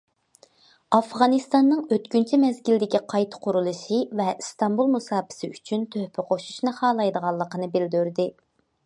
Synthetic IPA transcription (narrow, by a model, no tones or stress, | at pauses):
ɑfʁɑnɨst̪ɑnːɨŋøt̪kʲynt͡ʃʰɛmɛzɡʲild̪ɪkʲiqʰɑjt̪ʰə̥qʰʊɾulˠɨʃɨvɛst̪ɑmbulˠmusɑːpʰɪ̥sɪyt͡ʃʰynt̪ʰøhpʰɪqʰoʃu̥ʃnɨχɑːlˠɑjd̪əʁɑlˠːəqənɨbɪld̪yɾd̪ɪ